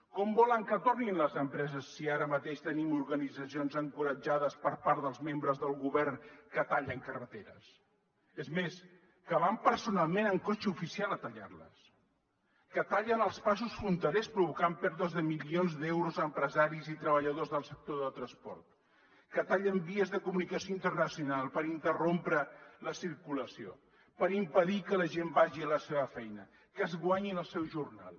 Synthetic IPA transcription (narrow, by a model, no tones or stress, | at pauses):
kɔmbɔləŋkət̪orninləzəmpɾɛzəsːiaɾəmət̪eʃt̪ənimuɾɣənid͡zəsionzəŋkuɾəd͡ʒaðəspəɾpaɾðəlˠzmembɾəzðəlˠɣuβɛrnkət̪aʎəŋkərət̪eɾə̰s | əzmes | kəβampəɾsunalˠmenəŋkot͡ʃəufisialˠət̪ɐʎa̰rlə̰s | kət̪aʎənəlˠspas̬usfɾunt̪əɾespɾuβukampɛɾðuəzðəmilionzðewɾuzəmpɾəzaɾizit̪ɾəβəʎəðozðəlˠsək̚t̪oðət̪ɾəspɔ̰ɾt̪ | kət̪aʎəmbiəzðəkumunikəsioint̪ərnəsiunalˠpəɾint̪ərompɾələsiɾkuləsio̰ | pəɾimpəðikələʒembaʒiələseβəfɛjnə | kəzɣwaɲinəlˠsɛwʒurna̰lˠ